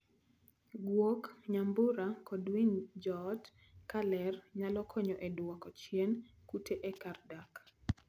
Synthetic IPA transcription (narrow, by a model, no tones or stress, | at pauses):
ɡwokɲambʊɾakɔdwind͡ʒɔt | kalɛrɲalɔkʰɔɲɔʔedwɔkɔt͡ʃienkutʰeʔɛkardak